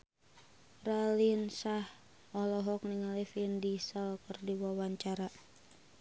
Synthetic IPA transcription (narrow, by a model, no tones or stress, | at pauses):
ralinsah | ɔlɔɦɔkniŋalifindisəlkərdiwawaɲt͡ʃaɾa